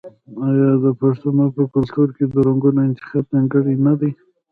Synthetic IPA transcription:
ajɑd̪əpaʂt̪amapəkʊlt̪uɾked̪əɾaŋɡunoɪnt̪ɪ̥xɑb̚naŋɡəɽinad̪aj

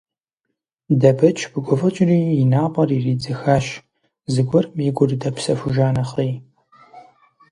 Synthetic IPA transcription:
dɐbɐt͡ʃʼʰb̥ɨɡʷɔfɐt͡ʃʼɪriːinaːqʷʼɐririːd͡zɨxaːɕ | zɨɡʷɔrmiɡʷʊrɨdɐpsɐfuʒaːnɐχij

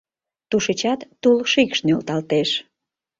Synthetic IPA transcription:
t̪uʃet͡ɕɑt̪ːulʃikʃnølt̪ɑlt̪eʃ

